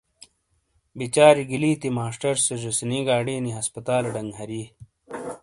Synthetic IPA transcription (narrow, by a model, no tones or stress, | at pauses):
bit͡ɕaːɾiɡiliːt̪imaːʂʈɐɾseʑusiniɡaːɽiːniɦɐspɐt̪aːlɖɐŋɡɦɐɾi